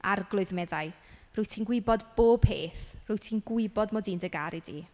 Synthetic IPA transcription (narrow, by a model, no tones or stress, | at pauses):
arɡlˠʊɨðmɛðaɨrʊɨtʰiːnɡwɪbɔdb̥oːb̥̚ʰeːθrʊɨtʰiːnɡwɪbɔdmɔdiːndəɡaɾʔidḭ